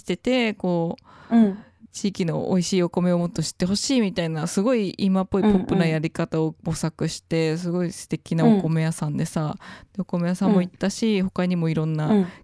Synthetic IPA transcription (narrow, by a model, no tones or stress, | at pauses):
i̥t̪e̞t̪e̞ko̞ː | t͡ɕiːkʲino̞̰oiɕiːo̞ko̞me̞o̞mo̞t̪ːoɕi̥t̪ːe̞ɦo̞ɕiːmʲit̪ainasɨɡo̞iʔimapːo̞ipo̞pːɯ̟najaɾʲikat̪aobo̞sakɯ̟ɕi̥t̪e̞sɨɡo̞isɨ̥t̪e̞kʲinaoko̞me̞jasãnd̪e̞sad̪̥e̞oko̞me̞jasãmːo̞it̪ːaɕiho̞kaɲ̟imo̞iɾõ̞nːa